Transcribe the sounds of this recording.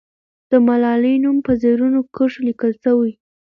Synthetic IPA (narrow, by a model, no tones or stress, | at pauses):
d̪̥əmalɑlənumpəzeɾunokəʂlikəlsəwi